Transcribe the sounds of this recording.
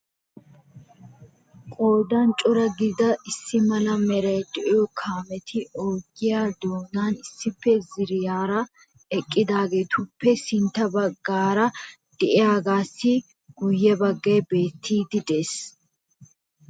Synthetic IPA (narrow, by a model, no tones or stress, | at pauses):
kʼoːd̪ɐnt͡ʃʼʊɾɐɡɪd̪ɐʔɪsːɪmɐlɐmɛɾɐjd̪ɛʔɪjɔkʰaːmɛt̪ʰɪʔoːɡɪjaːd̪oːnaːnɪsːɪpːɛzɪɾɪjaːɾɐ | ɛkʼːɪd̪aːɡe̞ːt̪ʊpːɛsɪnt̪ːɐbɐɡːaːɾɐ | d̪̥ɛʔɪjaːɡaːsːɪ | ɡ̥ʊjːɛbɐɡːeːbeːt̪ʰːiːd̪ɪd̪e̞ːs